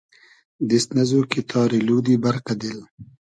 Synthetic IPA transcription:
d̪ɪst̪nɐzokit̪ʰɑːɾiluːd̪ibɐɾqad̪ɪl

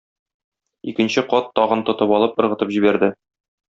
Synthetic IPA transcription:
ikɘ̆nɕɘqɒt̪ːɒʁɤ̆nt̪ŏt̪ɤpɒlˠɤpɤ̆ɾʁɤ̆t̪ɤpʑibæɾd̪ɘ

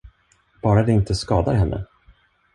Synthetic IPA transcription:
b̥ɑːɾad̪ɛɪnt̪əskɑːd̪aɾɦɛnːʔə̰

